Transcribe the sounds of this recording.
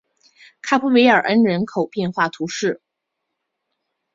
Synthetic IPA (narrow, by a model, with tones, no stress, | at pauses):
kʰa˥pʰu˧˥we˧˥ɪə˞˨˩ʔə˥nɻə˧˥nkʰo˨˩ʊpjɛ˥˧nxwa˥˩t̪ʰu˧˥ʂɻ̩˥˩